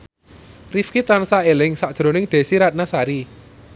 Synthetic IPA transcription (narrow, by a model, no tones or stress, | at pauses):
rifkit̪ansaelɪŋsaʔd̥ʒ̥ɾonɪŋd̪̥e̤siɾat̪̚nasaɾi